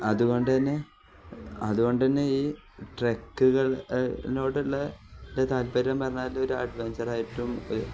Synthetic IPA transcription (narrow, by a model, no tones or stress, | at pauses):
ɐðuɣo̞ɳɖɨðɐnːe | ɐðuɣo̞ɳɖɨðɐnːeiː | ʈrekːuɣɐɭnoːɽiɭːɐndet̪aːlpɐɾɐmpɐrɐɲːaːilo̞ɾuɐ̰ɖʋeɲd͡ʑɐraːjiʈːumo̰